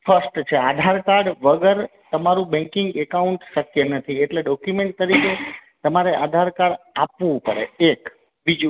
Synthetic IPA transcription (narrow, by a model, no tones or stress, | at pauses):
fʰəɾsʈt͡ʃʰead̪ʱaɾkaɾɖʋəɡəɾt̪əmaɾũbɛ̃ŋkɪŋɡekauɳʈʃəkjənət̪ʰieʈleɖɔkjumeɳʈ̚t̪əɾiket̪əmaɾeʔad̪ʱaɾkaɽapʋũpəɽḛek | bid͡ʒu